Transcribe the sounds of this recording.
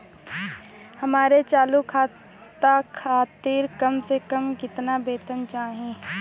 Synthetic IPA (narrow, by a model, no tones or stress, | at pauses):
hɐmaːɾet͡ʃaːlukʰaː | t̪akʰaːt̪iːɾkɐmsekɐmkɪt̪nabeːt̪ənt͡ʃaːɦẽ